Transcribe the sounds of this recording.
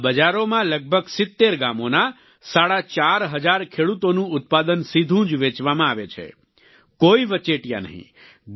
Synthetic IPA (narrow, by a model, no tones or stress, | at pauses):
bəd͡ʒaɾomãləɡ̚bʱəɡsɪt̪ːeɾɡamona | saɽat͡ʃaɾɦəd͡ʒaɾkʰeɽut̪onũʊt̪̚pad̪ənsid̪ʱũd͡ʒʋet͡ʃʋamãaʋet͡ʃʰḛ | koiʋət͡ʃeʈija̰nə̰ɦḭ̃